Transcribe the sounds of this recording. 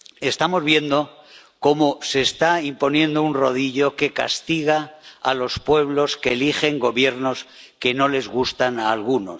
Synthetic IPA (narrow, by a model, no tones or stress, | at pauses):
e̞st̪amo̞zβje̞nd̪o̞ | ko̞mo̞se̞ːst̪aimpo̞njẽ̞nd̪ounro̞ð̞iʎo̞ke̞ka̰st̪iɣ̞aa̰lo̞spwe̞β̞lo̞skeːliχe̞ŋɡo̞βje̞ɾno̞s | ke̞no̞le̞zɣ̞ust̪analɣuno̞̰s